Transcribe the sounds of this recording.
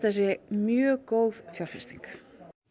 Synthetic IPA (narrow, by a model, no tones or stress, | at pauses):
θɛs̬ːɪmjœːkoːwðfjawr̥fɪst̪iŋk